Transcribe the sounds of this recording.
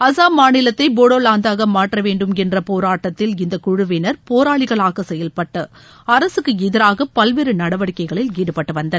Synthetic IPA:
ɐsaːmaːnɪlɐt̪ːɐɪboːɽoːlaːnd̪aːɣɐmaːʈrɐʋeːɳɖɯmɛndrɐpoːɾaːʈːɐt̪ːɪlɪnd̪ɐkʊɻʊʋɪnɐɾpoːɾaːɭɪɣɐɭaːɣɐsɛjɐlpɐʈːɯ | ɐɾɐsɯkːɯɪðɪɾaːɣɐpːɐlʋɪɾɯnɐɽɐʋɐɽɪkːɐɪɣɐɭɪliːɽɯpɐʈːɯʋɐnd̪ɐ

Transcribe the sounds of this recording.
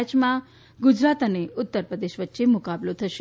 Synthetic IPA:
t͡ʃmã | ɡʊd͡ʒɾat̪əneʊt̪ːəɾpɾəd̪eʃʋətːʃemʊkablot̪ʰəʃ

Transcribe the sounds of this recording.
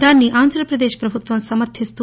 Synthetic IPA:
d̪aːnːiʔaːnd̪ʱɾɐpɾɐd̪eːʃpɾɐbʱut̪ʋɐnsɐmɐɾt̪ʰist̪u

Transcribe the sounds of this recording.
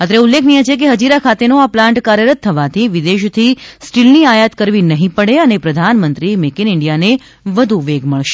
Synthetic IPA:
at̪ɾeulːekʰnijet͡ʃʰek̬eɦəd͡ʒiɾakʰat̪enõaplãɳʈkaɾjəɾət̪ʰːəʋat̪ʰiʋɪd̪eʃt̪ʰisʈilniajat̪kəɾʋinəɦĩpəɽeənepɾəd̪ʱanmənt̪ɾimekinɪɳɖijane | ʋəd̪ʱuʋeɡməɭʃe̥

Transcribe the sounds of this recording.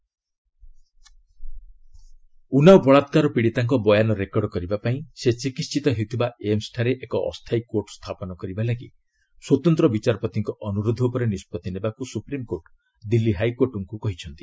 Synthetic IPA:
unawbɔɭat̪kaɾɔpiɽit̪aŋkɔbɔjanɔɾekɔɽɔkɔɾibapaĩset͡ʃikist͡ʃit̪ɔɦet̪ʰibaemsʈʰaɾeʔekɔʔɔ̰st̪ʰajkoɾʈɔst̪ʰapɔnɔkɔɾibalaɡi | swɔt̪ɔnt̪ɾɔbit͡ʃaɾɔpɔt̪iŋkɔʔɔnuɾod̪ʱɔupɔɾenispɔt̪inebakusupɾimkoʈ | d̪ilːiɦajkoɾʈɔŋkukɔɦit͡ʃʰɔnt̪i

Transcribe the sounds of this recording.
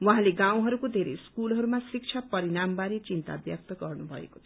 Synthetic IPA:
wãɦãleɡãw̃ɦʌɾukod̪ʱeɾḛjskulɦʌɾumasik̚t͡ʃʰapʌɾinambaɾet͡sint̪a̰bjʌk̚t̪ʌɡʌrnubʱʌ̰ḛko̥

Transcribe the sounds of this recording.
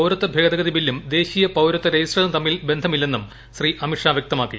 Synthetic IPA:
ɐwɾɐt̪ːɐbʱeːd̪ɐɣɡɐðibilːumd̪e̞ːɕijɐpɐwɾɐt̪ːɐɾɐjisrɐlɐmt̪ɐmːilbe̞nd̪ʱɐmilːe̞nːum | ɕriʔɐmiʂaːʋjek̚t̪ɐmaːkːḭ

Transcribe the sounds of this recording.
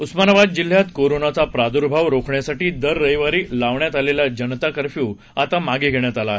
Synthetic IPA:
usmanaʋad̪̚d͡ʑil̤ːjat̪koɾonat͡sapɾad̪uɾbʱaʋɾokʰɳjasaʈiːd̪əɾːəjʋaɾiːlaʋɳjat̪aleljad͡ʑənt̪akəɾfjuː | at̪amaɡiːɡʱeɳjat̪alaɦe

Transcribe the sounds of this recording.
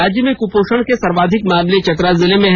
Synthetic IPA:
aːd͡ʒjəmẽkupoːʃəɽ̃kesɐɾʋaːd̪ʱɪkmaːmlet͡ʃɐt̪̬ɾazɪlemẽɦ

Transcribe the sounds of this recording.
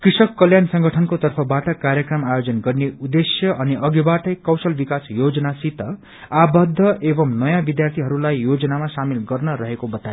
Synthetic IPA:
krisʌkːʌljansʌŋɡʌʈʰʌnkot̪ʌrpʰʌbaʈʌkaɾjʌkrʌmajod͡zʌnɡʌrneud̪esjʌʔʌniʔʌɡibaʈʌjkʌwsʌlbikasjod͡zʌnasit̪ʌ | abʌd̪ʱːʌebʌmnʌjãbid̪jart̪ʰiɦʌɾulajːod͡zʌnamasamilɡʌrnʌɾʌɦekobʌt̪ajo

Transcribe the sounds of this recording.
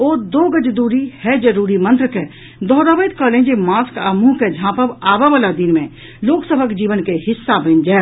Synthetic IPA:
oːd̪oːɡəd͡ʒd̪uːɾihɛd͡ʒəɾuːɾimə̃nt̪ɾəke | d̪ɔɦɾaʋəjt̪kəlẽnd͡ʒemaːskamũɦked͡ʒʱãːpəʋaːʋaʋalad̪ɪnmẽ | loːksəbʱəkd͡ʒiːʋənkehɪsːabʱə̃nd͡ʒaː

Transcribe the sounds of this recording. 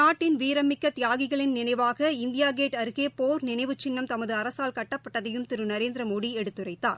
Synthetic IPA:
aːʈːɪnʋiːɾɐmɪkːɐt̪ɪjaːɣɪɣɐɭɪnnːɪnɐɪʋaːɣɐɪnd̪ɪjaːɡeːʈɐɾɯɣeːpoːɾnɪnɐɪʋɯt͡ʃːɪnːɐmt̪ɐmɐðɯɐɾɐsaːlkɐʈːɐpːɐʈːɐðɐjɯmt̪ɪɾɯnɐɾeːnd̪ɾɐmoːɽiɛɽɯt̪ːɯrɐɪːa̰ːɾ

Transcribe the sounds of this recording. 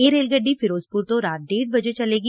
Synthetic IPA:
eːɾeːlɡəɖːifɪɾoːzpuɾt̪oɾaːt̪̚ɖeːɽ̚bɐd͡ʒet͡ʃɐleːɡi

